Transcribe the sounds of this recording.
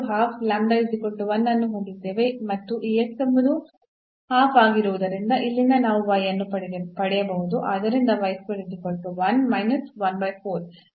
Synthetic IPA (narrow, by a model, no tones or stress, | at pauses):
ɦaːpʰlɐɳɖɐid̪ikoɳʈuʋɐnːɐnːuɦoɳd̪id̪ːeːʋemɐt̪ːuʔiːeksombɐd̪u | haːpʰaːɡiɾuʋud̪ɐɾind̪ɐʔilːinːɐnaːʋuʋɐjɐnːupɐɽpɐɽɛjɐbɐɦud̪uʔaːd̪ɐɾind̪ɐʋɐjskolid̪ːikoɳʈuʋɐnmɐjnɐsʋɐnbɐjpʰoːɾ